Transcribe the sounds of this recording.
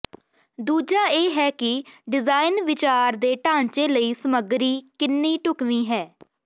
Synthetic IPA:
d̪uːd͡ʒaːeːɦɛːkɪɖɪzaːɪnʋɪt͡ʃaːɾd̪eːʈãːɲt͡ʃeːləiːsəməɡɾiːkɪnːiːʈʊkʋiːɦɛː

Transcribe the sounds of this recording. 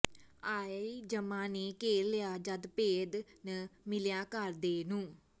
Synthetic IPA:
aːid͡ʒəmãːneːkeːlɪjaːd͡ʒəd̪peːd̪nəmɪljãːkəɾd̪eːnũː

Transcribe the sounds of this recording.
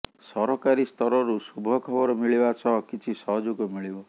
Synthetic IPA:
sɔɾɔkaɾist̪ɔɾɔɾusubʱɔkʰɔbɔɾɔmiɭibasɔɦɔkit͡ʃʰisɔɦɔd͡ʒuɡɔmiɭibɔ

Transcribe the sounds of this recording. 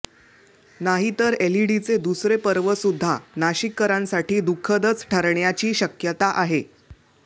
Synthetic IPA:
naɦit̪əɾeliɽit͡sed̪usɾepəɾʋəsud̪ʱːa̰naɕikːəɾãnsaʈiːd̪ukʰːəd̪ət͡sʈʰəɾɳjat͡ɕiːɕəkjət̪aʔaɦe

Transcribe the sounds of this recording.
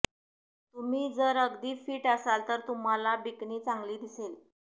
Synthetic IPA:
t̪um̤iːd͡zəɾəɡd̪iːfiːʈəsalt̪əɾt̪um̤alabikniːt͡sãŋɡliːd̪isel

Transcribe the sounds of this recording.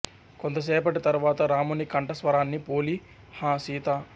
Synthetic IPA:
kont̪ɐs̬ɛːpɐʈit̪ɐɾuʋaːt̪ɐɾaːmunikɐɳʈɐsʋɐɾaːnːipoːli | hãːsiːt̪a

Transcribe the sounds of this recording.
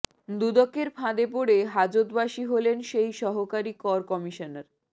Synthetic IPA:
d̪ud̪okːeɾpʰãd̪epoɽeɦad͡ʑot̪baʃiɦolenʃejʃɔɦokaɾikɔɾkɔmiʃonaɾ

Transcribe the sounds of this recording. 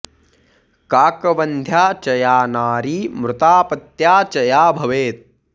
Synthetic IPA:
kaːkɐʋɐnd̪ʱjaːt͡ʃɐjaːnaːɾiːmɾʊt̪aːpɐt̪jaːt͡ʃɐjaːbʱɐʋeːt̪̚

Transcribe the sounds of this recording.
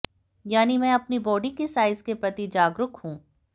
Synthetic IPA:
jaːnimɛ̃ːɐpnibɔːɖikesaːɪzkepɾɐt̪id͡ʒaːɡɾʊkhũː

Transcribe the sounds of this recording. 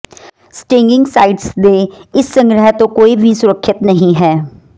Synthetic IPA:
sʈẽːŋɡɪ̃ŋɡsaːɪʈsd̪eɪsːə̃ŋɡɾəɦɛt̪õkoːibʱisʊɾəkʰːɪt̪nəɦĩɦɛː

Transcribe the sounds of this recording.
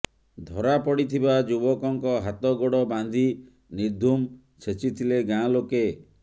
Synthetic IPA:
d̪ʱɔɾapɔɽit̪ʰibad͡ʒubɔkɔŋkɔɦat̪ɔɡoɽɔband̪ʱi | niɾd̪ʱum | t͡ʃʰet͡ʃit̪ʰileɡãloke

